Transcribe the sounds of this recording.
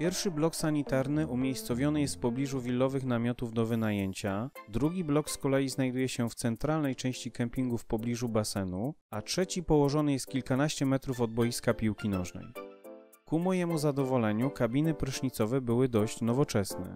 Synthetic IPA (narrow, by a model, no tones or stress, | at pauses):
pʲjɛɾfʂɘblɔksaɲit̪aɾnɘʔumʲjejst̪sɔvʲjɔnɘjɛst̪fpɔblʲiʐuvʲilːɔvɘxnamʲjɔt̪uvd̪ɔvɘnajeɲt͡ɕad̪ɾuɡʲiblɔkskɔlɛjiznajd̪ujɛɕɛft̪sɛnt̪ɾalnɛjt͡ʂɛ̃w̃ɕt͡ɕikɛmpʲiŋɡufpɔblʲiʐubasɛnuatʂɛt͡ɕipɔwɔʐɔnɘjɛst̪̚kʲilkanaɕt͡ɕɛmɛt̪ɾufɔd̪̚bɔjiskapʲiwkʲinɔʐnɛ̰j | kumɔjɛmuzad̪ɔvɔlɛɲukabʲinɘpɾɘʂɲit̪sɔvɛbɘwɘd̪ɔɕt͡ɕnɔvɔt͡ʂɛsnɛ̰